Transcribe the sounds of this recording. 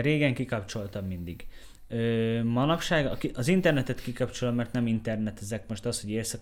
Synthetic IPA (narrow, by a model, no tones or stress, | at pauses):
ɾeːɡɛŋkikɒpt͡ʃo̞lt̪ɒmːind̪iɡ | øːmɒnɒpʃaːɡɒkiʔɒzint̪ɛrnɛt̪ɛt̪kikɒpt͡ʃolomɛrt̪nɛmint̪ɛrnɛt̪ɛzɛkmo̞ʃt̪ɒsho̞ɟeːrsɒk